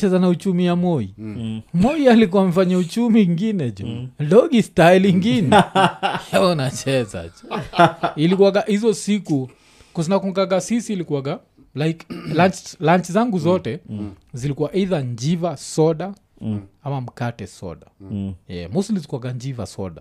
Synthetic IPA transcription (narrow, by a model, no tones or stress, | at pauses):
t͡ʃɛzanaut͡ʃumijamɔimɔialikuwamɛfaɲaut͡ʃumiŋɡinɛd͡ʒundɔɡistailiŋɡinɛhɛɔnat͡ʃɛza̰d͡ʒu | ilikuwaɡahizɔsiku | kɔzinakuŋɡaɡasisiːlikuaɡa | lajklant͡ʃlant͡ʃizaŋɡuzɔtɛzilikuwaʔiðaɲd͡ʒivasɔɗa | amam̩katɛsɔ̰ɗajɛ̰musilizikwaɡand͡ʒiva̰sɔ̰ɗa